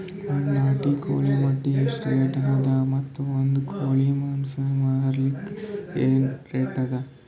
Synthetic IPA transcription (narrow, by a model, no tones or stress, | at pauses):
ɐɳnaːʈiko̰ːɭimɐʈːiɐsʈɾeːʈɐad̪ɐmɐt̪ːuond̪ukʰoːɭimɐnsɐmaːɾɐɾɐlikːeːnʈɾeːʈɐd̪ɐ